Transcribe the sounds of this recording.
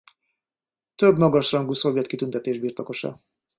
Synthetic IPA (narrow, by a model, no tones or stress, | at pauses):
t̪øbmɒɡɒʃrɒŋɡusovjɛt̪kit̪ynt̪ɛt̪eːʒbiːrt̪oko̞ʃɒ̰